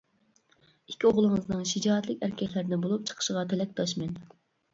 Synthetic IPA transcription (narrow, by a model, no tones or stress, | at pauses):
ikʲʰːioʁlˠəŋəznɨŋʃid͡ʒɑːɛt̪lɪkʲæɾkʲʰɛkʲlæɾd̪ɪnbolˠup̚t͡ʃʰə̥qʰə̥ʃəʁɑt̪ʰɛlɛk̚ʲd̪ʰɑʃmɛn